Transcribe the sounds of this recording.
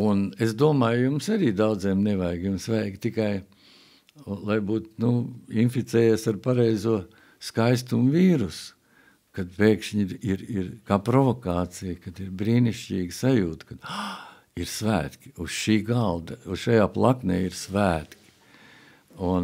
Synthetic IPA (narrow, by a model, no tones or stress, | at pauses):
unesd̪uɔmaːjjumsaɾiːd̪awd̪ziːmneʋajɡjumsʋɛjɡt̪ikaj | lˠajbuːt̪nuinfit̪sɛːjeːsaɾpaɾɛjzuɔ | skajst̪umviːɾus | kad̪̚peːkʃɲiɾiɾiɾkaːpɾɔvɔkaːt̪sijkad̪iɾbɾiːniʃt͡ʃʲiːɡsajuːt̪kad̪̥ | iɾsvæːt̪kʲi̥usʃiːɡalˠd̪ausʃajaːplˠaknḛːiɾsʋvæːt̪kʲi̥ | un